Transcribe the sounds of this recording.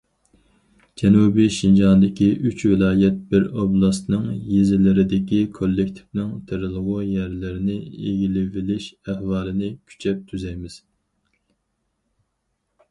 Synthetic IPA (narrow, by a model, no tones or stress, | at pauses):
d͡ʒɛnubiʃind͡ʒɑnd̪ɪkʲiʔyt͡ʃvɪlˠɑːjɛt̪̚b̥ɪɾoblˠɑst̪nɨŋjezɪlɪɾɪd̪ɪkʲikʰolːɪk̚ʲt̪ʰɪ̥fnɪŋt̪ʰɪɾɨlˠʁʊjɛɾlɪɾɪnɪeɡʲilɪvɪlɪʃæhwɑːlˠɨnɪkʲʰy̥t͡ʃʰɛp̚t̪ʰyzɛjmɪz̥